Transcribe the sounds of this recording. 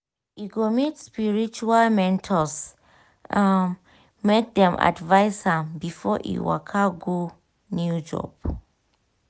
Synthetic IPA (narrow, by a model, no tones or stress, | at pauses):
iɡomitspiɹit͡ʃualmɛ̃ntʰɔs | ãn | mek̚dɛ̃mʔa̰dvaɪsãbifɔʔḭwa̰kʰaɡo | njud͡ʒɔ̰p